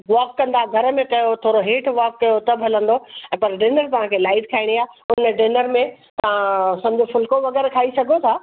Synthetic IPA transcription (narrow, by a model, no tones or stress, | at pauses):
ʋaːkːɐ̃nd̪aɡʱɐɾə̆mẽkɐjot̪ʰoːɾoɦeːʈʰʋaːkːɐjot̪ɐbɦɐlə̃nd̪oɛ̃ːpɐɾɖɪnəɾt̪ɐʋ̤ɦãːkʰelaːɪʈ̚kʰaːɪɽ̃iaːɦʊnɖɪnəɾmẽ | t̪ɐʋãsɐ̃md͡ʑʱofʊlkoʋɐɡɛːɾkʰaːisɐɡʱot̪ʰaː